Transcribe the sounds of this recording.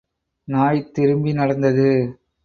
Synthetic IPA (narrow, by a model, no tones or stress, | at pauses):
naːjt̪ːɪɾɯmbinɐɽɐnd̪ɐðɯ